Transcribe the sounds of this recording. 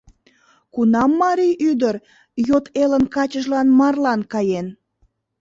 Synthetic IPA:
kunɑmːɑɾijyd̪ər | jot̪elənkɑt͡ɕəʒlɑnmɑrlɑnkɑjen

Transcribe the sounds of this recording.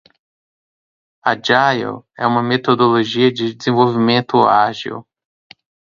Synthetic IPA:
ɐ̰d͡ʒajḛwɛ̰ũmɐmet̪od̪oloʒiɐd͡ʒɪd͡ʒɪzẽvowvimẽnt̪ʊaʒḭw

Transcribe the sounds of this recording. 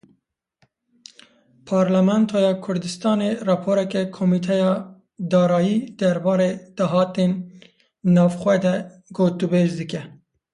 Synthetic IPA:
pʰɑːɾlæmɛnt̪ʰojɑːkʰʊɾd̪ɨst̪ɑːnerɑpʰoːɾɛkɛkʰomit̪ʰɛjɑː | d̪ɑːɾɑːjiːd̪̥ɛɾbɑːɾeːd̪̥ɑɦɑːt̪eːnː | ɑːvxwɛd̪ɛ | ɡoːt̪ubeːzd̪ɨkɛ

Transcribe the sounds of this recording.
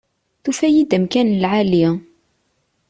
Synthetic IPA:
θufæjid̪əmkænlʕali

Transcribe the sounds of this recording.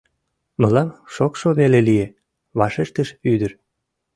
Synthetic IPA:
məlɑmʃokʃoβelelie | βɑʃeʃt̪əʃyd̪əɾ

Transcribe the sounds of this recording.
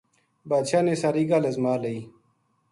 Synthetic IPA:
baːd̪ɕaːneːsaɾiːɡalɐzmaːlɐiː

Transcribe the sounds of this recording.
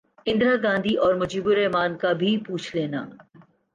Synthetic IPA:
ɪ̃nd̪ɾaɡãːnd̪ʱiʔɔːɾmʊd͡ʒiːbʊɾɛɦmaːnkabʱipuːt͡ʃʰleːnaː

